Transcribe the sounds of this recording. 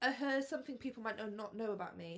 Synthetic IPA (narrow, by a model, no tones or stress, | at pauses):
əɦɜd̥sʌ̃mθɪ̃ŋpʰiˑpʰl̩ˠmaɪnoʊnəʔⁿnoʊəbaʊt̚mi